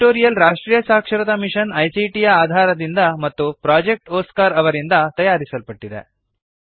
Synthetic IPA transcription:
ʈoːɾijɐlɾaːʂʈɾiːjɐsaːkʂɐɾɐt̪ɐmiʂɐnɐjsiʈijɐaːd̪ʱaːɾɐd̪ind̪ɐmɐt̪ːupɾaːd͡ʒek̚ʈoːskaːɾɐʋɐɾind̪ɐt̪ɐjaːɾisɐlpɐʈːid̪ḛ

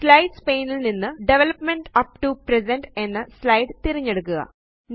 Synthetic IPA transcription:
slɐjɖspe̞ːnilninːɨɖeʋelɐpmeɳɖɐpʈupres̬eɳɖe̞nːɨslɐjɖt̪iɾiɲːeɽukːuɣɐ̰ | n

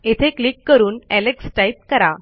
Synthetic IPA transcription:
et̪ʰeklikːəɾuːnɛleksʈait̚kəɾa̰

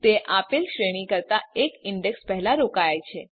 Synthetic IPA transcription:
t̪eʔapilʃɾeɽ̃ikəɾt̪aekɪɳɖekspɛɦlaɾokajajt͡ʃʰe

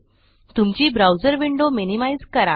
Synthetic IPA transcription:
t̪umt͡ɕiːbɾawd͡zəɾʋiɳɖominimaijd͡zkəɾa

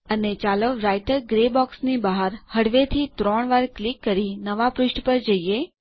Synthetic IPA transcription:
ənet͡ʃaloɾajʈəɾɡɾebɔksnibaɦaɾhəɽʋet̪ʰit̪ɾɔɳ̃ʋaɾklikːəɾinəʋapɾʊʃʈpəɾd͡ʒəie

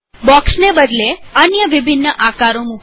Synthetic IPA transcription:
bɔksnebəd̪leənjəʋibʱinːəʔakaɾomuk

